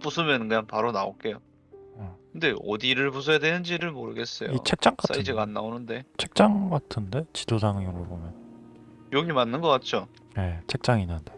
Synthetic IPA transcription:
p͈usʰɯmjʌnkɯɲaŋpaɾonao̰k͈e̞jo | kɯnde̞ʌ̰diɾɯɭpus̬ʰojadwenɯnd͡ʑiɾɯɭmoɾɯɡe̞s͈ʌ̰joit͡ɕʰe̞k̚t͡ɕ͈aŋk͈ata̰id͡ʑeɡanːa̰onɯnde̞t͡ɕʰe̞k̚t͡ɕ͈aŋɡatʰɯnde̞t͡ɕidosaŋjoŋɾobomjʌn | joɡimanːɯnɡʌk͈at̚t͡ɕ͈o | je̞t͡ɕʰe̞k̚t͡ɕ͈aŋinːɯnde̞

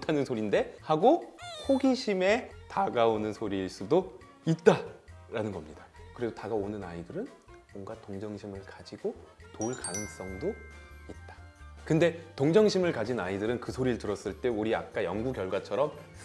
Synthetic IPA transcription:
tʰanɯnsʰoɾinde̞haɡohʰoɡiɕʰime̞taɡaonɯnsʰoɾiɭs͈udo | it̚t͈aɾanɯnɡʌmɲidakɯɾesotaɡaonɯnaidɯɾɯn | mʌŋɡatoŋd͡ʑʌŋɕʰimɯɭkad͡ʑiɡotoɭkanɯŋs͈ʌŋdoit̚t͈ḁkɯnde̞toŋd͡ʑʌŋɕʰimɯɭkad͡ʑinaidɯɾɯnkɯsʰoɾiɯɭtɯɾʌs͈ɯɭt͈e̞uɾiak̚k͈ajʌŋɡukjʌɭɡwat͡ɕʰʌɾʌm

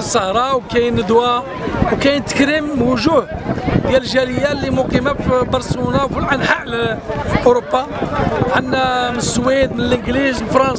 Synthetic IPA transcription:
sˤːəhɾˤɑwkæjnəd̪wæ | wkæjnt̪ə̥kɾimwʊʒuhd̪jælʒæləjːalːimʊqimæfbɑɾˤsunawfilʕanħaʕlʔʊɾobːa | ʕənːæmənəsːwid̪̚mənəlʔəɡlizfɾˤɑns

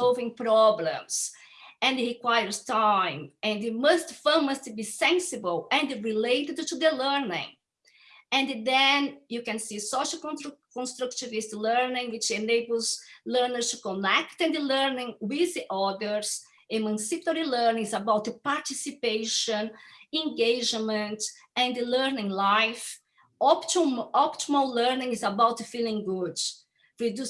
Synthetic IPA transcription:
ɔlvɪ̃ŋpɾɔblɛ̰̃ms | ɛ̃nd̪ɹikwajəɾstãɪ̃mɛ̃nɨmostfɜməstubisɛ̃nsɪbəlɛ̃ndɹilejt̪ɪd̪t̪ud̪əlɛɾnɪ̰̃ŋ | ɛ̃nd̪d̪ɛ̃njukɛ̃nsisoʃəkkɔ̃nst̪ɾukt̪ivistlɛɾnɪ̃ŋwit͡ʃẽnebəlˠzlɛɾnəɾstukɔ̃nɛkt̪ɛ̃nd̪lɛɾnɪ̃ŋwiziʔɔd̪əɾs | emãnsipəɾilɜɾnĩŋzabawt̪paɾt̪isipejʃɔ̃nẽŋɡejd͡ʒmə̃nt | ɛ̃nd̪lɛɾnɪ̃ŋlajf | ɔptumɔpt̪imollɛɾnĩŋizabawt̪filˠĩŋɡud | pɾid̪u

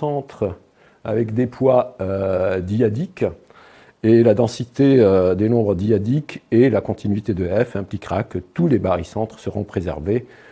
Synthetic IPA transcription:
ɑ̃t̪χ | a̰vɛkd̪epʰwaød̪iad̪ik | elad̪ɑ̃sit̪eød̪enɔ̃bʁəd̪iad̪ikʰelakɔ̃t̪inɥit̪ed̪əɛfɛ̃plikʁakət̪ulebaʁisɑ̃t̪χə̥səʁɔ̃pχezɛ̰ʁve

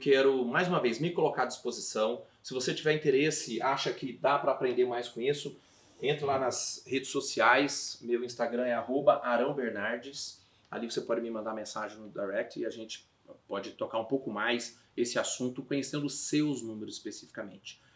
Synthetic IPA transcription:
wkɛɾʊmajzũmɐvejzmɪkolokaɾɐd͡ʒispozisɐ̃w̃ | sɪvoset͡ʃivɛɾĩt̪eɾesɪaʃɐkɪd̪apɾɐːpɾẽnd̪eɾmajskõisʊ | ẽnt̪ɾʊlanɐshed͡ʒɪsːosiajsmewĩst̪aɡɾɐ̃ɛaɦobɐʔaɾɐ̃w̃beɾnaɾd͡ʒɪs | a̰livosepɔd͡ʒɪmɪmɐ̃nd̪aɾmẽsaʒẽj̃nʊd̪ajɾɛk̚t͡ʃ̪ʊɪaʒẽnt͡ʃɪ̥ | pɔd͡ʒɪt̪okaɾũpowkʊmajs | esɪasũnt̪ʊkõɲesẽnd̪ʊʊsewznũmɪɾʊzɪ̥spesifi̥kɐmẽnt͡ʃɪ̥

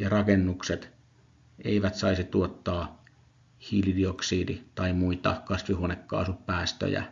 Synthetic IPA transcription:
jɑrɑkenːukset̪ | ʔeiʋæt̪sɑisit̪uot̪ːɑː | hiːlidioksiːdit̪ɑimuit̪ɑ̰kɑsʋihuonekːɑ̰ːsuppæːst̪ø̰jæ̰

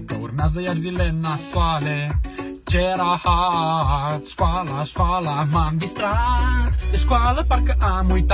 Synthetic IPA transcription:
t̪uɾnazajaɾzilɛnːafalet͡ʃɛɾahaaskwalaskwalamaŋɡist̪ɾat̪eskwaləpaɾkəʔamujt̪

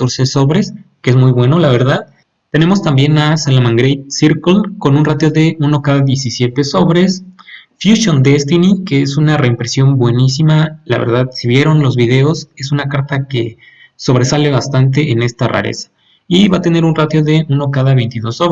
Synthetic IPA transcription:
t̪oɾseso̞βɾe̞skeezmujβwe̞no̞laβ̞e̞ɾðað | t̪e̞ne̞most̪ambje̞nasalamãŋɡɾejt̪̚siɾkulko̞nunrat̪jo̞ðe̞unokaðaðje̞sisje̞t̪e̞so̞βɾe̞sfjuʃjo̞nd̪e̞st̪inikeesunare̞impɾe̞sjo̞mbwe̞nisimala̰βḛɾðaðsiβje̞ɾo̞nlo̞zβið̞e̞o̞se̞sunakaɾt̪ake̞ | so̞β̞ɾe̞sale̞βast̪ant̪̬e̞ʔene̞st̪ara̰ɾḛsḁ | iβat̪e̞ne̞ɾunrat̪jo̞ðe̞uno̞kaðaβe̞jnt̪iðo̞soβ

